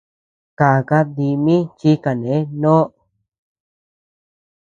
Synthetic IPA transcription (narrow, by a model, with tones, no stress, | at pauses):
ka˨ka˧d̪i˧mĩ˦t͡ʃi˧˦ka˨nẽ˨˦nõ˦